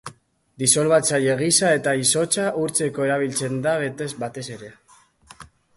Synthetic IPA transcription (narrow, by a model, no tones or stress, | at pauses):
d̪iso̞lβat͡saje̞ɣ̞isae̞t̪aiso̞t͡saʔuɾt͡se̞ko̞e̞ɾaβ̞ilt͡se̞nd̪aβ̞e̞t̪e̞zbat̪e̞se̞ɾe̞